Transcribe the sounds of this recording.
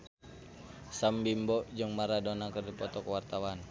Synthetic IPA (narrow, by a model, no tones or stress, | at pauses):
sambimbɔd͡ʒɨŋmaɾadɔnakərdipɔt̪ɔkəwart̪awan